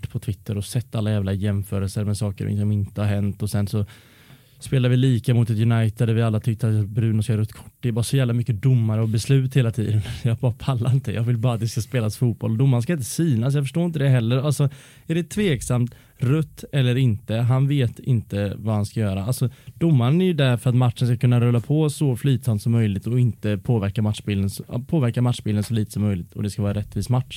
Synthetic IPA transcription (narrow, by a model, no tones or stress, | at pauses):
ʈːpʰɔt̪ʰvɪt̪ʰːəɾɔsɛt̪ːalːajæːvlajɛmfœːɾəlsəɾmɛsɑːkə̰ɾɪ̰sɔmɪnt̪əhaɾɦɛnt̪ɔsɛnsɔ | speːlaɾvɪliːkamʊt̪ɛt̪jɵnajt̪əd̪æɾvɪalːat̪ʰʏkt̪əat̪jbɾʉ̟ːnɔskaɾɵt̪ːkʰʊ̥ʈːd̪ɛbɑːɾasɔjæːvlamʏkːəd̪ʊmːaɾəɔbɛslʉ̟ːt̪heːlat̪ʰḭːd̪ənjɑːɡ̚bɑːɾapʰalːaɾɪnt̪əjɑ̰ːɡvɪlbɑːɾat̪̚d̪ɪskaspeːlasfuːt̪̚bɔld̪ʊmːaɾnskaɪnt̪̬əsyːnasjɑːɡfœʂʈoːɪnt̪əd̪ɛɦɛlːəɾalsɔ | æɖɛt̪ʰveːksamt̪ | ɾɵt̪ːɛlːəɾɪnt̪əɦanveːt̪ʰɪ̰nt̪əvahanskajœːɾaalsɔd̪ʊmːaɾənæɾjɵd̪æɾfœɾat̪matʂənskakʰɵnːaɾɵlːapʰɔsɔflyːt̪samt̪sɔmːœjlɪɡ̚t̪ɔɪnt̪əpʰoːvæɾkamat̪ʂbɪːld̪ənspʰoːvæɾkamat̪ʂbɪːld̪ənsɔliːt̪ə̥sɔmːœjlɪt̪ʰɔ̰d̪ɛskavɑːɾaɾɛt̪ːviːsmatʂ